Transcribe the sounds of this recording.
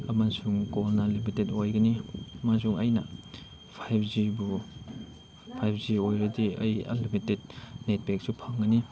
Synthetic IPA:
ɐmansuŋkolnɐlimitedojɡɐniɐmansuŋɐjnɐ | pʰajpʰzibu | pʰajpʰziojɾɐdiɐ̰jɐ̰limited̚net̚bek̚supʰɐŋɡɐni

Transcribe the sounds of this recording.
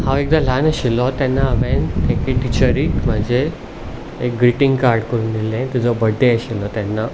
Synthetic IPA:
haʋek̚d̪alanəɕilɔt̪janːaːbẽnt̪ekeʈit͡ɕəɾiːkm̤əd͡ʑʱeː | k̚ɡɾiʈiŋɡkaɾɖkəɾund̪ilːẽt̪id͡zɔbəɖʱːeəɕilɔt̪janːa

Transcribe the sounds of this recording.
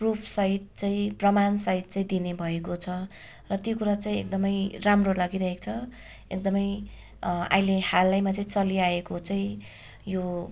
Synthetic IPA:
prupʰsʌit̪̚t͡saĩprʌmansʌit̪̚t͡saĩd̪inebʱʌekot͡sʰʌ | rʌt̪jokuɾat͡saĩḛk̚d̪ʌmʌjramrolʌɡiɾʌɦekt͡sʰʌ | ḛk̚d̪ʌmʌj | a̰ilehalːajmat͡saĩt͡sʌliaekot͡saĩ | jo

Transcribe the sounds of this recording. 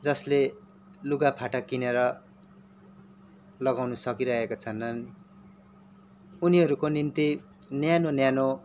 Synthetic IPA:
d͡zʌsle | luɡapʰaʈakineɾʌ | lʌɡawnʌsʌkiɾʌɦekot͡sʰʌnːʌn | uniɦʌɾukonimt̪i | njanonjano

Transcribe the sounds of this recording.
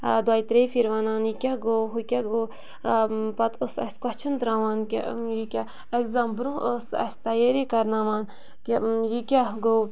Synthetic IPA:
d̪waːjt̪ɾefʰiɾʋaːnaːnikʲaɡoːɦukʲaɡoː | pɐt̪ʰosɐ̰skɐt͡ʃʰɨnd̪ɾaːʋaːnkʲḛjikʲa | ekzambɾũosɐ̰st̪ɐjeɾikɐɾnaːʋaːn | kʲejikʲaɡow

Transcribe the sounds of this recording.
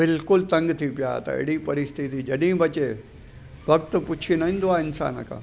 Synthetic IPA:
bɪlkʊlt̪ɐ̃ŋɡt̪ʰipja̰t̪ɐ̰ɪ̰ɽipɐɾɪst̪it̪id͡ʑɐɗɦĩbʱɐt͡ɕe | ʋɐk̚t̪̆pʊt͡ɕʰinɐɦĩːn̆d̪oaːɪnsa̰ːnəkʰã̰ː

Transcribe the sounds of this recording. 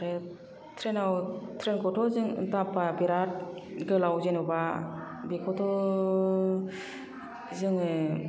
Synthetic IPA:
ɾe | tʰɾenawtʰɾenkʰɔtʰɔzɯŋɯ̰tapabiɾat̚ɡɯlawzenɔba | bikʰɔtʰɔ | zɯŋɯ

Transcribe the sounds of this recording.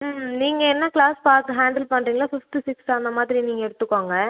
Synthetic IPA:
niːŋɡɐɛnːɐkɭaːspaːɾkɯɦaːɳɖɐlpɐɳːɾiːŋɡɐlaːfɪfsʈisɪksaːnd̪ɐmaːðɪɾiniːŋɡɐɛɽɯt̪ːɯkːoːŋɡɐ

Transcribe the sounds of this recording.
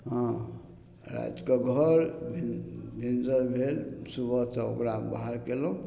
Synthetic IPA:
ɦɔ̃ | ɾa̰d͡ʒ̪kɔɡʱʌɾbʱibʱind͡ʒəɾbʱelsubʱɔt̪ɔo̰kɾamba̰ɦaɾkelũ

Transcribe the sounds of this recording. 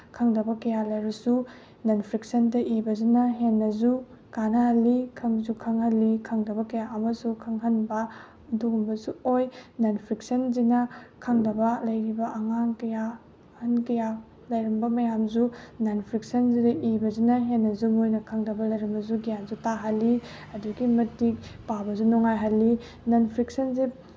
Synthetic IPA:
kʰɐŋdɐbɐkɐjalɐjɾɐsu | nɐnpʰɾiksɐndɐʔibɐzinɐɦenːɐzu | kanahɐlːikʰɐŋzukʰɐŋhɐlːikʰɐŋdɐbɐkɐjaʔɐmɐsukʰɐŋɦɐnbɐ | ɐduɡumbɐzuojnanpʰɾik̚sɐnzinɐkʰɐŋdɐbɐlɐjɾibɐʔɐŋaŋkɐja | hɐnkɐja | lɐjɾɐmbɐmɐjamzunanpʰɾik̚sɐnzidɐʔibɐzinɐɦenːɐzumojnɐkʰɐŋdɐbɐlɐjɾɐmbɐzuɡijanzutaɦɐlːi | ɐduɡimɐtik̚pabɐzunɔŋajɦɐlːi | nɐnpʰɾiksɐnzi

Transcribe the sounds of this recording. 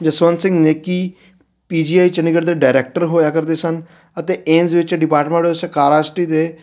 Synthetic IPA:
d͡ʒəsʋənsɪ̃ŋɡneːkiː | piːd͡ʒiːaːit͡ʃənɪɡəɾd̪eːɖaːɾeːk̚ʈəɾɦoːjaːkəɾd̪eːsən | ət̪eʔẽːnzʋɪt͡ʃɖɪpaːɾʈmẽɳʈːsẽkaːɾaːsʈiːd̪eː

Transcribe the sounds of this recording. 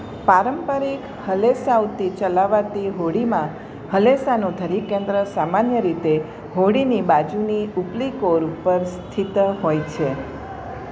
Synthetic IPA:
paɾəmpəɾik | həlesaut̪it͡ʃəlaʋat̪iɦoɽimã | həlesanũd̪ʱəɾikẽnd̪ɾəsamanjəɾit̪e | ɦoɽinibad͡ʒuniuplikoɾupəɾst̪ʰit̪ɦojt͡ʃʰe

